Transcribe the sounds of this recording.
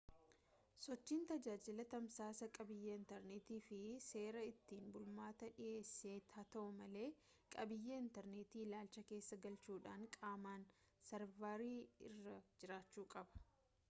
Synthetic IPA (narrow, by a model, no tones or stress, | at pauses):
sɔt͡ʃːiːnt̪ɐd͡ʒaːd͡ʒɪlɐt̪ɐmsaːsɐkʼɐbɪjːɐɪnt̪ɛɾneːt̪iːfɪse̞ːɾɐɪt̪ːiːnbʊlmaːt̪ɐᶑɪʔe̞ːsːeːt̪ʰaːt̪ɐʔʊmɐle̞ː | kʼɐbɪjːeɪnt̪ɛɾneːt̪iːlaːlt͡ʃɐke̞ːsːɐɡɐlt͡ʃuːᶑaːŋkʼaːmaːn | sɐɾvaːɾiːɪ̰rːɐd͡ʒɪɾaːt͡ʃːuːkʼɐbɐ̥